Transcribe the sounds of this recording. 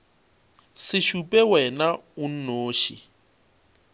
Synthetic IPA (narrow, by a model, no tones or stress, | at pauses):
sɪʃupʼɛwɛnaʊn̩noːʃḭ